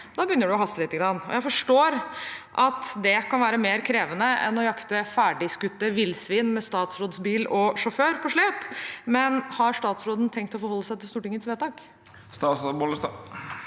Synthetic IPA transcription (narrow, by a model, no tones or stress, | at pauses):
d̪ɑːbəjʏnːəɖʉɔɦɑst̪əlɪt̪ːəɡɾɑnːɔ̰jæɪfɔʂʈoːɾʔɑt̪d̪ɛkɑnʋæːɾəmeːɾkʰɾeːʋənəɛ̰nɔjɑkt̪əfæːɖɪskʉt̪ːəʋɪlsʋiːnmɛst̪ɑːt̪sɾoːd̪sbiːlɔʂɔføːɾpʰɔʂɭeːpmɛnhɑɾʂʈ̪ɑːt̪sɾoːd̪n̩t̪ʰɛŋkt̪ɔfɔɾhɔlːəsæɪt̪ɪlst̪uːʈɪŋːət̪sʋeːt̪ɑːk | st̪ɑːsboləst̪ɑ